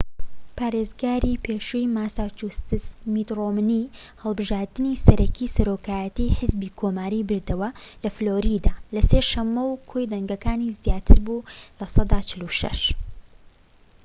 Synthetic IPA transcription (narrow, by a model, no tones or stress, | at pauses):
pʰaːɾezɡaːɾipʰeːʃujmaːsat͡ʃust̪ɨsmit̪romni | hɐlˠbɨʒaːɾd̪ɨnisɐɾʔɐkʰiːsɐɾoːkaːjɐt̪iːħɨzbiːkʰomaːɾibɨɾd̪ɐwɐlɐfloːɾid̪aːlɐseːʃɐmːɐwkʰojd̪ɐŋɡɐkaːnizjaːt̪ʰɨɾbuːlɐsɑd̪aːt͡ʃʰɪluʃɐ̰ʃ